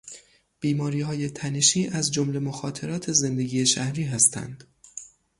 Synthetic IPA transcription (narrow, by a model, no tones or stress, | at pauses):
b̥iːmɒːɾiːhɒːjet̪ʰæneʃiːʔæzd͡ʒomle̞moxɒːt̪ʰe̞ɾɒːt̪ʰe̞ze̞nd̪eɡiːeʃæhɾiːɦæst̪ʰæ̰nd̪̥